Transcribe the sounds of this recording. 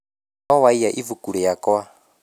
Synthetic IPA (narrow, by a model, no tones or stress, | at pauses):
awaijaʔivukʼuɺɛjakʼɔwa